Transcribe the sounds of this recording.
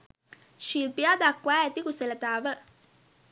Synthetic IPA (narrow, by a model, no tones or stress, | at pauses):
ʃiɾpijaːd̪akːwʋaːæt̪ikuselət̪aːʋə